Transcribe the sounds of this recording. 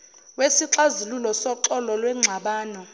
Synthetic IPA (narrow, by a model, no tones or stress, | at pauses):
wesiǁazilulɔsɔǁɔlɔlwɛŋ͡ǀʱaɓaːnɔ